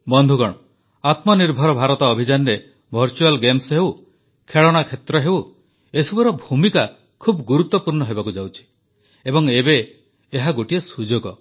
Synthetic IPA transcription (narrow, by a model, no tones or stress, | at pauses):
bɔnd̪ʱuɡɔɽ̃ɔ | at̪mɔniɾbʱɔɾɔbʱaɾɔt̪ɔːbʱid͡ʒanɔɾe | bʱɔɾt͡ʃualɡemsɦew | kʰeɭɔɽ̃akʰet̪ɾɔɦew | esubɔɾɔbʱumika | kʰubɡuɾut̪ːɔpuɾɳɔɦebakud͡ʒawt͡ʃʰi̥ | ebɔŋebeː | ɦaɡoʈiesud͡ʒoɡɔ